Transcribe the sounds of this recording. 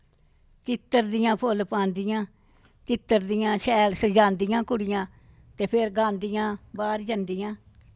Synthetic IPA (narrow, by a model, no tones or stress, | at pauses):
t͡ʃɪt̪ːəɾd̪ɪjãːpʰolpãːnd̪ɪjãː | t͡ʃɪt̪ːəɾd̪ɪjãːʃɛːlsəd͡ʒãːnd̪ɪjãːkʊɽɪjãː | t̪eːpʰɪɾɡãːnd̪ɪjãːbaːɾd͡ʒənd̪ɪjãː